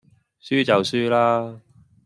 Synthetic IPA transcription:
syː˥t͡sɐ˨wsyː˥laː˥

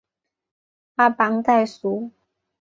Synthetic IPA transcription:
a˥˩pa˨˥ŋt̪a˥˧˩jsu˨˦

